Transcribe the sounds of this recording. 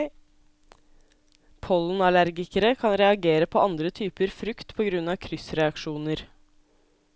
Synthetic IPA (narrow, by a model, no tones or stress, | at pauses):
pʰɔln̩ɑlæɾɡɪkəɾəkʰɑnɾɛɑɡeːɾəpʰoːʔɑnd̪ɾət̪ʰyːpəɾfɾʉkt̪pʰoːɡɾʉnɑːʋkʰɾʏsɾɛɑkʃuːnəɾ